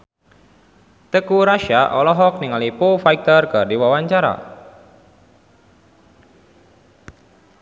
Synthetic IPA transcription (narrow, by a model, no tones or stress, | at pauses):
t̪əkuɾaʃaʔɔlɔɦɔk̚niŋalipofaik̚t̪ərkɨrdiwawaɲt͡ʃaɾa̰